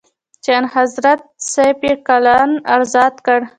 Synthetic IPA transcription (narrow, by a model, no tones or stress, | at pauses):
t͡ʃeanhazɾat̪̚sapekalɑna̰ɾzɑt̪kəɽ